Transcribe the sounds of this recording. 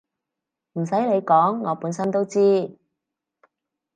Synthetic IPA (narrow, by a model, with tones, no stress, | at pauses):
m̩˨˩sɐ˨˥jle˨˧jkɔː˨˥ŋːɔː˨˧puː˨˥nsɐ˥nt̪o˥wt͡siː˥